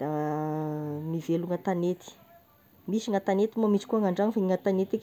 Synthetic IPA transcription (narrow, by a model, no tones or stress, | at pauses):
d̪̥a | miveluŋat̪anet̪i̥ | misiŋat̪anet̪imomit͡si̥kuaŋaɳɖ͡ʐaŋifaiŋat̪anet̪ekʲ